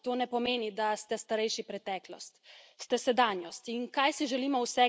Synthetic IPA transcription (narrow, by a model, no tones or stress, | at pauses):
t̪oːnɛpɔmeːnid̪ast̪ɛst̪aɾɛjʃipɾɛt̪ɛːklɔ̰st̪st̪ɛsɛd̪anjɔst̪inkajsiʒɛlimɔwsɛ